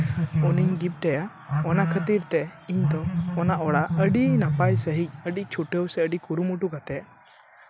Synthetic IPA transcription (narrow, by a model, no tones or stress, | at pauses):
ɔniɲɡip̚ʈɛja | ɔnakʰət̪iɾt̪ɛiɲd̪ɔːnaʔɔɽaəɖinapajsəɦic̚əɖic̚t͡ʃʰuʈəwsɛəɖikuɾumuʈukat̪ɛ